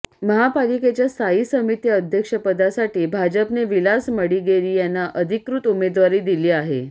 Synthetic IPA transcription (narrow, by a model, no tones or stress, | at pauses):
məɦapaliket͡ɕjasaiːsəmit̪jəəd̪ʱjəkʂəpəd̪asaʈiːbʱad͡ʑəpneʋilasməɽiːɡeliːjanːaʔəd̪ʱikɾut̪umed̪ʋaɾiːd̪iliːaɦḛ